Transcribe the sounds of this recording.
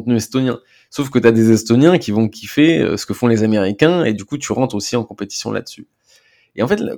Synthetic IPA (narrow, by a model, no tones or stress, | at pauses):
t̪nyɛst̪onjɛ̰̃ | sofkət̪yad̪ezɛst̪onjɛ̃kʲivɔ̃kʰʲifeø̰sə̥kəfɔ̃lezameʁikʲɛ̃ed̪ykut̪yʁɑ̃t̪χosiɑ̃kɔ̃pet̪i̥sjɔ̰̃lʔa̰d̪əsy | eɑ̃fɛt̪l̰